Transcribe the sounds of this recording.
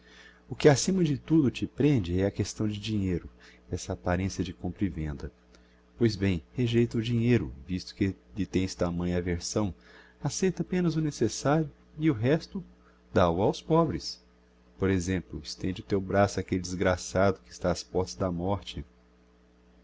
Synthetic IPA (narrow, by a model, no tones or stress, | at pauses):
ʊkɪasĩmɐd͡ʒɪt̪ud̪ʊt͡ʃɪpɾẽnd͡ʒɪɛɐkest̪ɐ̃w̃d͡ʒɪd͡ʒĩɲejɾʊɛsɐːpaɾẽsiɐd͡ʒɪkõmpɾɪvẽnd̪ɐ | pojzbẽj̃heʒejt̪ɐʊd͡ʒĩɲejɾʊ̰vist̪ʊ̥kɪʎɪt̪ẽj̃st̪amɐ̃j̃ɐveɾsɐ̃w̃ | asejt̪ɐapẽnɐzʊnesesaɾjʊ | ɪʊɦɛst̪ʊ | d̪awawspɔbɾɪs | poɾezẽmplʊɪst̪ẽnd͡ʒɪʊt̪ewbɾasʊakelɪd͡ʒɪzɡɾasad̪ʊkɪst̪aːspɔɾt̪ɐzd̪ɐmɔɾt͡ʃɪ